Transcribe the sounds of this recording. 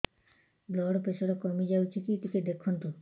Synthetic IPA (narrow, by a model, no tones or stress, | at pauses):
blɔɽpeʃʰoɾakɔmid͡ʑawt͡ɕʰikiʈ̪iked̪ekʰːunt̪un